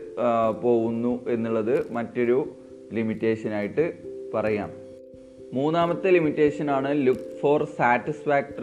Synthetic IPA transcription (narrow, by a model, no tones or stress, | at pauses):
po̞ːɣunːuʔe̞nːuɭːɐðɨmɐtːo̞ɾu | limitːe̞ːʂɐnaːjiʈːɨpɐrɐja̰ːm | muːnːaːmɐt̪ːɨlimitːe̞ːʂɐnaːɳɨlukːfo̞ːrsaːtːisfaːk̚ʈɐ